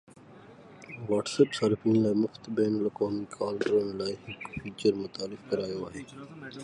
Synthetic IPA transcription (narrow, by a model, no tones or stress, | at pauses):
ʋaːʈsəpsəɾpʰɪ̃ŋɡlaːmʊft̪bɛːnəlɐkaːmikʰaːlʈɾoːmelaːiɦɪkfʰiːt͡ʃəɾmʊt̪aːɾɪfkəɾaːjoaːɦeː